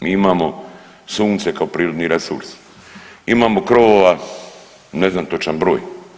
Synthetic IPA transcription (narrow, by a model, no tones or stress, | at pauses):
miːimaːmo | suːnt̪se̞kaopɾiːɾod̪niɾesṵɾs | imaːmokɾoʋoʋa | neznamt̪o̞t͡ʃanbɾo̞ːj